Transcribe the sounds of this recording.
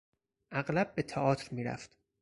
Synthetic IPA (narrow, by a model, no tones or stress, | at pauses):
ʔæɣlæb̚ːet̪ʰæʔɒːt̪ʰɾmiːɾæ̰ft̪